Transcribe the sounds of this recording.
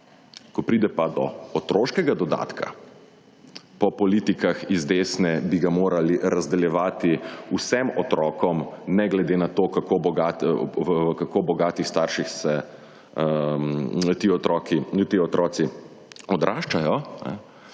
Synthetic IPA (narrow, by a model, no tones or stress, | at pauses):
kɔpɾid̪ɛpad̪ɔ̰ɔt̪ɾoːʃkɛɡad̪ɔd̪a̰t̪kʰa̰ | pɔpɔliːt̪ikaxizd̪eːsnɛbiɡamoːɾaliɾazd̪ɛljɛʋaːt̪iusɛmɔt̪ɾɔːkɔmnɛɡlɛd̪enat̪oːkakobɔɡat̪ | kakobɔɡaːt̪ixst̪aːɾʃixsɛ | t̪iːɔt̪ɾɔkinut̪iɔt̪ɾʔɔːt̪si | ɔd̪ɾʔaːʃt͡ʃajɔnɛ̰